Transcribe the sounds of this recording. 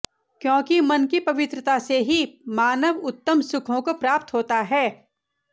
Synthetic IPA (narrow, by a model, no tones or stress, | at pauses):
kjõːkimɐnkipɐʋɪt̪ɾət̪aseɦimaːnəʋʊt̪ːəmsʊkʰõkopɾaːp̚t̪ɦoːt̪aɦɛː